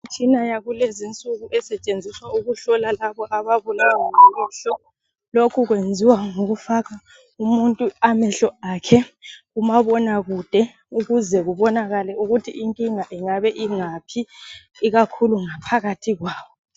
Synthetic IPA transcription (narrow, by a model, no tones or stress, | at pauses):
t͡ʃʰinajaɣulezint͡sʼuɣuʔɛsɛt͡ʃʼend͡zʱiswauɣuɬɔlalaβɔʔaβaβulawaŋaɛmɛɬɔ | lokʰuɣwend͡zʱiwaŋoɣufaɣa | umuntʼuamɛɬɔaːkʰɛ | umaβɔnaɣud̥ʱɛ | uɣuzɛɣuβɔnaɣalɛuɣutʰḭʔiŋkʼiŋaʔiŋaβɛʔiŋapʰiː | ɣakʰuluŋapʰaɣatʰiɣwaːwɔ